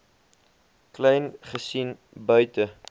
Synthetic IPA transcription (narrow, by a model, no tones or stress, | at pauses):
klɛjnχəsin | bœɥtə